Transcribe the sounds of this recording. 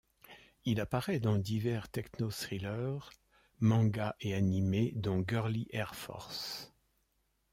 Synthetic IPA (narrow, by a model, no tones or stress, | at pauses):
ilapaʁɛd̪ɑ̃d̪ivɛʁt̪ɛknosχilœʁ | mɑ̃ɡaʔeanimed̪ɑ̃ɡœʁliʔɛʁfɔ̰ʁs